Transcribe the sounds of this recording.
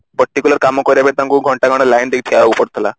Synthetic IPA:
pəɾʈːikʲuləɾkamɔkɔɾjabet̪ãŋɡuɡʱəɳʈaɡʱaɽ̃alajnd̪ek̚t̪ʰiaaupəɽt̪ʰla̰

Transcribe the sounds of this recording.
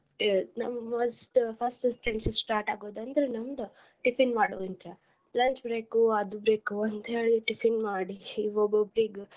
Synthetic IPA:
nɐmɐmoːsʈpʰɐsʈpʰɾensipsʈaːɾʈaːɡoːd̪ɐnd̪ɐɾenɐmd̪u | ʈipʰinmaːɽo̰int̪ɾɐ | lɐɲt͡ʃbɾeːkuɐd̪ubɾeːkuɐnd̪eːɭiʈipʰinmaːɽiːʋobobɾiːɡ

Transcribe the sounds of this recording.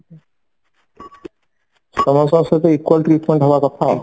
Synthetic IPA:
sɔmɔsɔ̃set̪eikwəlʈɾiʈmẽɳʈɦɔbakɔt̪ʰa

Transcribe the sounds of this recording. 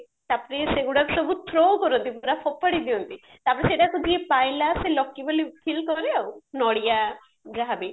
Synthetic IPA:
t̪apɔɾeseɡuɽaksɔbʱut̪ʰɾokɔɾɔnt̪ipɔɾapʰɔpːaɽid̪iɔnt̪i | t̪apɔɽeseʈakud̪ʱiepajlaselɔkːibolipʰilkɔɾeawnɔɽija | d͡ʒaɦabi

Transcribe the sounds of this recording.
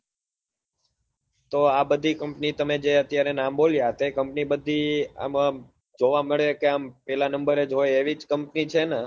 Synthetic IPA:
t̪oabəd̪ʱikəmpnit̪əmed͡ʒeət̪jaɾenamboljat̪ekəmpnibəd̪ʱia̰ma | d͡ʒoʋaməɭekeampɛlanəmbəɾed͡ʒoeeʋid͡ʒkəmpnit͡ʃʰena

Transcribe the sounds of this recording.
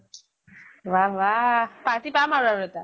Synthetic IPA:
ʋaʋapat̪ipamaɾaɾɛt̪a

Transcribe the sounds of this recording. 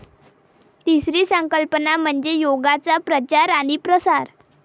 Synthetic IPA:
t̪isɾiːsəŋkəlpənam̤əɳd͡zejoɡat͡sapɾət͡ɕaɾaɽ̃ipɾəsaɾ

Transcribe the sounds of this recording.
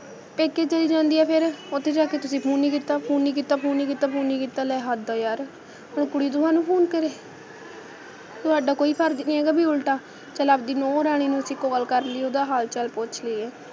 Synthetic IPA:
peːket͡ʃəliːd͡ʒãːnd̪iːɛːpʰɪɾot̪ʰːeːd͡ʒaːket̪ʊsĩːpʰuːniːkiːt̪ːaːpʰuːnːiːk̬iːt̪ːaːpʰuːnːiːkiːt̪ːaːpʰuːniːkiːt̪aːlɛːɦad̪aːjaːɾ | ʊɳkʊɽiːd̪ʊɦãːnũːpʰuːnkəɾeː | t̪ʊaːɖaːkoːiːpʰəɾd͡ʒnĩːɛːɡaːbiːʊlʈaː | t͡ʃəlaːp̚d̪iːnɔ̃ːɾaːɽ̃iːnũsĩkːoːɡəlkəɾliːoːd̪aːɦaːlt͡ʃəlpʊt͡ʃʰliːɛː

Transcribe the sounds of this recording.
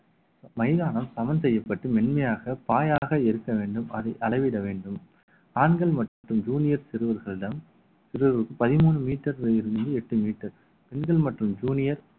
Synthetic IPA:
mɐɪðaːnɐmsɐmɐnsɛjːɐpːɐʈːɯmɛɳmɐjaːɣɐpaːjaːɣɐɛɾɯkːɐʋeːɳɖɯmɐðɐɪʔɐɭɐɪʋɪɽɐʋeːɳɖɯm | aːnɡɐɭmɐʈrɯmd͡ʒuːnɪjɐɾsɪɾɯʋɐɾɣɐɭɪɽɐm | sɪɾɯʋɐɾɯkːɯpɐðɪmuːɳrɯmiːʈːɐɾɐɪɾɯnd̪ɯɛʈːɯmiːʈːɐɾ | pɛɳɡɐɭmɐʈrɯmd͡ʒuːnɪjɐɾ

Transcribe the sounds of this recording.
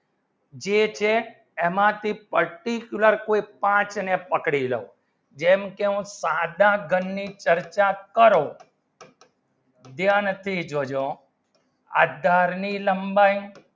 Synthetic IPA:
d͡ʒet͡ʃʰe | emãt̪ʰipəɾʈikjuləɾkoipãt͡ʃnepəkɽilə̰u | d͡ʒɛmkeɦũsad̪ãɡʱənːit͡ʃəɾt͡ʃakəɾõ | d̪janət̪ʰid͡ʒod͡ʒõ | a̰ːd̪ʱaɾniləmbaĩ

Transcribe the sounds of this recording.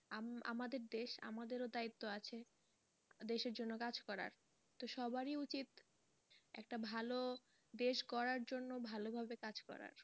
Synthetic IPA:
aa̰mad̪eɾd̪eʃa̰mad̪eɾod̪ait̪ːoat͡ɕʰe | d̪eʃeɾd͡ʑonːokad͡ʑkɔɾa̰ɾ | t̪oʃɔbaɾiut͡ɕit̪ | ɛ̰kʈabʱalo | d̪eʃkɔɾaɾd͡ʑonːobʱalobʱabekad͡ʑkɔ̰ɾa̰ɾ

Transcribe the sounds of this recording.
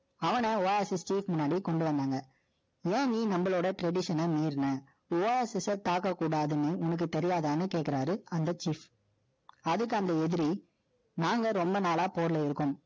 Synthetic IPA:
ɐʋɐnɐoːesɛst͡ʃiːfmʊnːaːɽikɔɳɖɯʋɐnd̪aːŋɡɐ | ẽːniːnɐmbɐɭoːɽɐʈɾɛɽɪʂɐnɐmiːɾnɐ | oːeːsɛsɐt̪aːkːɐkːuːɽaːðɯnːɯʊnɐk̬ːɯt̪ɛɾɪjaːðaːnɯkeːʈkːɪɾaːɾɯɐnd̪ɐt͡ʃiːf | ɐðɯkːɯɐnd̪ɐɛðɪɾi | naːŋɡɐɾɔmbɐnaːlaːpoːɾlɐɪɾɯkːɯm

